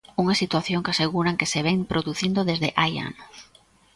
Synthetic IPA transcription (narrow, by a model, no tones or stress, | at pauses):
uŋasit̪waθjoŋkaseɣuɾaŋkeseβɛŋpɾoðuθind̪oðezðɪʔaja̰nʊs